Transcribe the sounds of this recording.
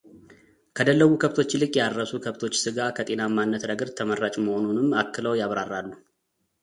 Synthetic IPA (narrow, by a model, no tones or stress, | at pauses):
kʰəd̪əlːəβukʰəβt̪ʰo̞t͡ʃːlɨkʼjaɾəsukʰəβt̪ʰo̞t͡ʃːsɨɡakʰət̪ʼe̞namanːət̪ɾəɡəɾt̪ʰəməɾːat͡ʃʼməho̞nunɨmːakːɨləwjaβɾarːalːu